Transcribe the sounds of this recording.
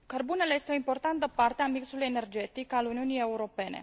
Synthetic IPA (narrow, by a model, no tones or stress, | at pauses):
kərbune̞le̞je̞st̪eo̞impo̞rt̪ant̪əpart̪eamiksuluje̞ne̞rd͡ʒe̞t̪ikaluniunije̞uɾo̞pe̞ne̞̰